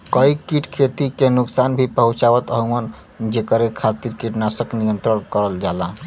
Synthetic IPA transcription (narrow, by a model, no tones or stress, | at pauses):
kəikiʈkʰet̪ikenuksanbʱipəɦũt͡ʃawət̪əɦumən | d͡ʒekəɾekʰat̪iɾkiʈnasəknijənt̪ɾəɾkəɾəld͡ʒala